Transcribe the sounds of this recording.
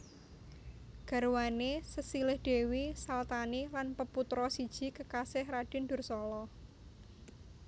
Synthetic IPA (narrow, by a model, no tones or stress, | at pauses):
ɡ̥a̤ɾuwanesəsilɪhd̥e̤wisalt̪anilanpəput̪ɾɔsid̥ʒ̥i̤kəkasɪhraɖ̥ɪ̤nɖʊ̤rsɔlɔ